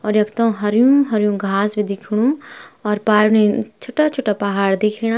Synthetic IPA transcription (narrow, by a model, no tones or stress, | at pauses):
ɔːɾjɐkt̪õɦɐɾjũɦɐɾjũɡʱaːsbid̪ɪkʰɽ̃ũɔːɾpaːɾnet͡ʃʰoːʈat͡ʃʰoːʈapɐɦaːɽd̪ekʰiɽ̃a